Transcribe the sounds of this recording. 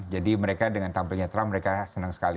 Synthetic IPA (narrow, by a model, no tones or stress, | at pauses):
d͡ʒadiməɾekadəŋant̪ampilɲat̪ɾamːəɾekasənəŋsə̥kali